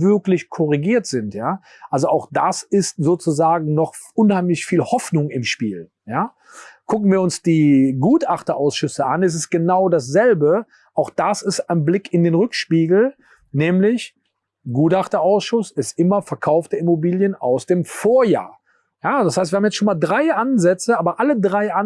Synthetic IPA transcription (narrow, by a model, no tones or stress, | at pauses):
vɪɐklɪçkʰɔʁiɡiːɐtz̥ɪntjaː | ʔalzoʔaʊxd̥asɪstzoːt͡suzaːɡŋ̩nɔχʔʊnhaɪmlɪçfiːlhɔfnʊŋɪmʃpiːl | jaː | kʰʊkn̩viːɐʊnsd̥iːɡuːtʔaχtɐʔaʊsʃʏsəʔanɛs̬ɪst̚ɡ̥ənaʊdas̬z̥ɛlbə | ʔaʊxd̥asɪstaɪnblɪkɪndeːnʁʏkʃpiːɡl̩ | nɛːmlɪç | ɡuːtaχtɐʔaʊsʃʊsɪstʔɪmɐfɛɐkʰaʊftəɪmobiːljənaʊsd̥eːmfoːɐja̰ːɐ | jaːd̥ashaɪstviːhamjɛt͡stʃoːnmaːldʁaɪʔanzɛt͡səʔaːbɐʔalədʁaɪʔa